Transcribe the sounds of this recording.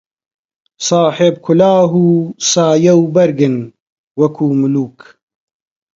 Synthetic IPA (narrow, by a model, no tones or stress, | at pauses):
sɑːħeb̚kʰʊlaːɦuːsaːjɐwbɐɾɡɨn | wɐkʰuːmʊluːk